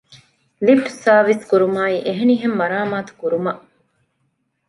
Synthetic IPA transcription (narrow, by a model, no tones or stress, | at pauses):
lifʈsaːʋiskuɾumaːiʔeɦeniɦemːɐɾaːmaːt̪u̥kuɾumɐʔ